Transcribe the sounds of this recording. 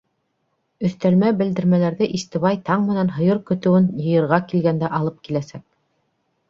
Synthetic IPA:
ɵ̆θt̪ælmæbɘ̆ld̪ɘ̆ɾmælæɾðɘʔist̪ɘ̆βɑjt̪ɑɴmɘ̆nænɦɤ̆jɤɾkɵ̆t̪ɘ̆wɘnjɤ̆jɤ̆ɾʁɑkilɡænd̪æʔɑlˠɤp̚kilæsæk̚

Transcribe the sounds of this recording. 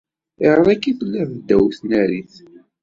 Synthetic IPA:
ɪʁəðˤækːiθəlːævd̪ːæwθnæɾiθ

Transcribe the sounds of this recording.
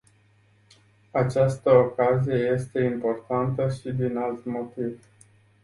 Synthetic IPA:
at͡ʃast̪əokazije̞je̞st̪e̞impo̞rt̪ant̪əʃid̪inalt̪mo̞t̪iv

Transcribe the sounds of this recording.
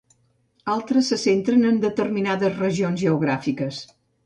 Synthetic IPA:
alˠt̪ɾəsːəsent̪ɾənənd̪ət̪ərminaðəzrəʒionzʒəuɣ̞ɾafikəs

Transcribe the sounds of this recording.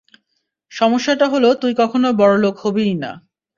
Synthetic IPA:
ʃɔmoʃːaʈaɦolot̪ujkɔkʰonobɔɾolokhobijna̰

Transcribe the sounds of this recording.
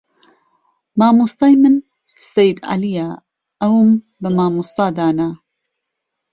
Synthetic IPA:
maːmust̪ˤɑjmɨn | sajd̪ʕa̰lijaː | ʔɐwm | bɐmaːmust̪ˤɑːd̪aːna

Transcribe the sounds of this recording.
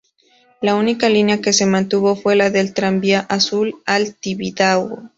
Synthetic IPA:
launikalinjake̞se̞mãnt̪uβo̞fwe̞laðe̞lt̪ɾambjaʔasulalt̪iβidawo

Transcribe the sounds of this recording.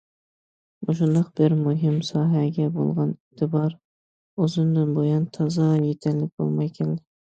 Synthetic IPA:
buʃ̬und̪ɑqb̥ɪɾmʊɦɪmsɑːɦæɡʲɛbo̰lˠʁɑnɪt̪ʰɪbɑɾ | ozɪnd̪ɪnbojɑnt̪ʰɑzɑjet̪ʰællɪk̚ʲb̥o̰lˠmɑjkʲʰɛlɪd̪ɪ

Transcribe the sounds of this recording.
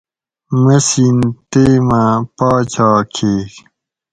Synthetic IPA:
mɐsint̪eːmãpaːt͡ɕaːkʰeːk

